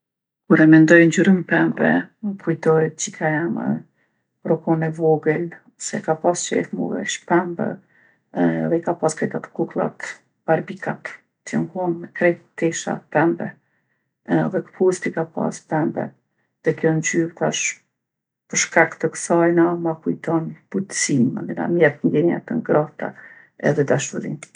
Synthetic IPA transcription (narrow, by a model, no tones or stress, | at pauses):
kuɾɛmɛnd̪ɔjnd͡ʑyɾimpɛmbɛ̰kʰujt̪ɔjd͡ʑikajamə̰ | pɾɔkɔnɛvɔɡəl | ɔsɛ̰kapast͡ʃɛ̰fmṵvɛ̰ʃpɛmbə̰ | ðɛikapaskɾɛt̪at̪ə̥kuklˠa̰t̪ | b̥aɾbikat̪ | t̪jɛmhunmɛkɾɛt̪ɛʃa̰pɛmbɛ | ðɛkə̥pʰust̪ikapa̰spɛmbɛ̰ | ðɛkjɔnd͡ʒyɾt̪aʃ | pəɾʃkakt̪əksajnamakujt̪ɔnput̪sinma̰nd̪ina̰mjɛt̪̚ŋɡɛɲa̰t̪əŋɡɾat̪a̰ | ɛ̰ðɛd̪aʃuɾḭn